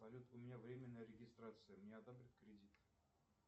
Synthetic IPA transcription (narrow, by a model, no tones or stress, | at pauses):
ɐlʲut̪ʊmʲɪnʲavɾʲemʲɪnːəjəɾʲɪɡʲɪst̪rat̪sɨjəmnʲeɐd̪obɾʲɪt̪kɾʲɪdʲit̪